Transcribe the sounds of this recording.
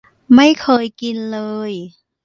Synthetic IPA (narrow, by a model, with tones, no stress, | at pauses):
ma˥˩jkʰɤː˧jki˧nlɤː˧j